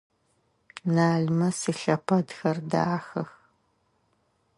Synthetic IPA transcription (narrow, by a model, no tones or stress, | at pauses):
naːɮmɐsiɬɐpʰɐdxɐrda̰ːxɐx